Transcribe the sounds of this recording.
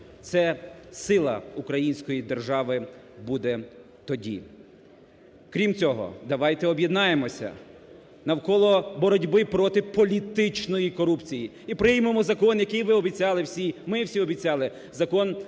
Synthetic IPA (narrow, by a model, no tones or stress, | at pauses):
t̪sɛsɪlˠɐ̰ukɾɐjinʲsʲkɔjid̪erʒɑʋɪ | bud̪ɛ | t̪ɔdʲḭ | kɾʲimt͡sʲɔɦɔ̰d̪ɐʋɑjt̪ɛɔbʲjed̪nɑjemɔsʲɐ̰ | nɐwkɔlˠɔbɔɾɔdʲbɪpɾɔt̪ɪpɔlʲit̪ɪt͡ʃnɔjikɔɾupt͡sʲiji | ipɾɪjmemɔzɐkɔnjɐkɪjʋɪɔbʲit͡sʲɑlˠɪwsʲimɪwsʲiɔbʲit͡sʲɑlˠɪ | zɐkɔn